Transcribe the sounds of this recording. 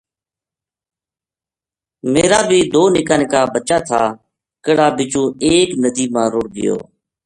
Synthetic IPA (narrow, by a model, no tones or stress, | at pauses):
meːɾaːbʱiːd̪oːnɪkaːnɪkaːbət͡ʃaːt̪ʰaː | kəɽaːbɪt͡ʃũːeːknəd̪iːmãːɾʊːɽɡɪ̰jo̰ː